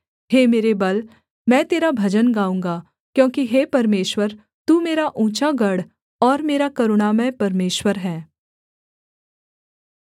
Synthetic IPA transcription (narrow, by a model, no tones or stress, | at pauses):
heːmeːɾebɐl | mɛ̃ːt̪eːɾabʱɐd͡ʒənɡaːũːŋ̆ɡa | kjõːkiɦeːpɐɾmeːʃwəɾ | t̪uːmeːɾaʔũːt͡ʃaɡɐɽ | ɔːɾmeːɾakɐɾʊɽamɛ̃ːpɐɾmeːʃwəɾɦɛ̃ː